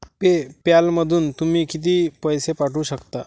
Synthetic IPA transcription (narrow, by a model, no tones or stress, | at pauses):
pepjalməd̪ʱuːnt̪umiːkit̪̬iːpəjsepaʈuːɕəkt̪a